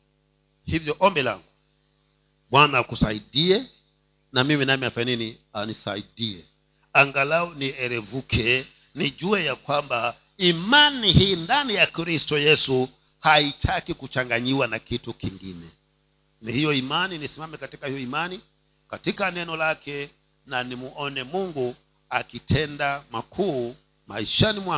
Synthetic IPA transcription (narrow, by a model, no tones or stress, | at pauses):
hivjɔʔɔmbɛla̰ŋɡu | ɓwanakusaiɗiɛ | namiminamiafaɲɛninianisa̰iɗiɛ | aŋɡalaɔniɛɾɛvukʰɛ | niʄuɛjakwamba | imanihiːndanijakɾistɔjɛsu | haitʰakikut͡ʃaŋɡaɲiwanakitukiŋɡḭnɛ | nihijɔimaninisimamɛkatikahijɔimani | katikanɛnɔlakʰɛ | nanimuʔɔnɛmuŋɡu | akitʰɛndamakʰuː | ma̰iʃanimwa